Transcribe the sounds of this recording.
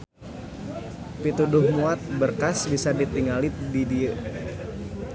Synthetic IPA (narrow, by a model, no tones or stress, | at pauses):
pit̪udʊhmuat̪̚bərkasbisadit̪iŋalididi